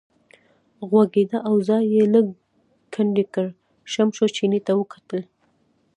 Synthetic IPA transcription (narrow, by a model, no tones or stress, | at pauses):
ɣwaɡed̪aʔawzɑjːeləɡ | kʰaɳɖikəɽ | ʃamʃot͡ʃinit̪awəkḁt̪əl